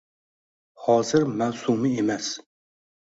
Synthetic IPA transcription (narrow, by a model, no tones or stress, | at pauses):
hɒːzɪɾmawsumɪemas